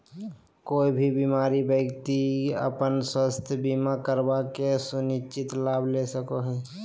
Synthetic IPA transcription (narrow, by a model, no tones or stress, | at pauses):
koːibʱibimaːɾibəkt̪iə̰pənswəst̪ʰjəbimakəɾbakesʊnɪt͡ʃɪt̪laːbʱlesəkoɦɛː